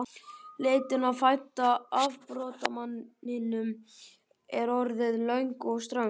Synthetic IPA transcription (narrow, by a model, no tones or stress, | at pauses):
leːjt̪ɪnaðfajt̪aavpɾɔːt̪amanːɪnʏm | ɛɾɔɾðɪðlœɥŋkɔɣst̪ɾœŋ